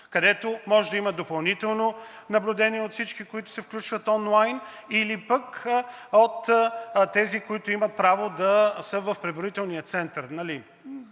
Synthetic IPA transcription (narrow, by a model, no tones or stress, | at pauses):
kɐd̪ɛt̪omɔʒɛd̪ɐiməd̪opɐlˠnit̪ɛlˠno | nɐblʲud̪ɛniɛot̪fsit͡ʃkikoit̪ʊ̥sɛfklʲut͡ʃvət̪ɔnlˠajn | ilipək | ot̪t̪ːɛzikoit̪ʊimɐt̪̚pɾavod̪ɐsəvɐfpɾɛbɾit̪ɛlˠniət̪sɛnt̪əɾnɐli